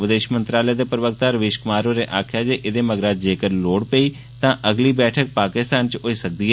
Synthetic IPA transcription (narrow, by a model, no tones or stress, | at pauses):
ʋɪd̪eːʃmənt̪ɾaːləaːd̪eːpɾəʋək̚t̪aːɾəʋeːʃkʊmaːɾoːɾeːʔaːkʰɪjaːd͡ʒeːʔɪd̪eːməɡɾaːd͡ʒd͡ʒeːkəɾloːɽpəiː | t̪ãːʔəɡliːbɛːʈʰək̚paːkɪst̪aːnt͡ʃoiːsək̚d̪iːɦɛː